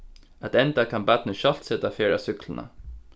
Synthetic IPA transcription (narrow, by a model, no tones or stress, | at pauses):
ɛt̪ɛnd̪ɑkʰɑnbæt̪nəʃɑlt̪sɛt̪ɑfeːɹɑ̰sʏkʰlən̩ʔə̰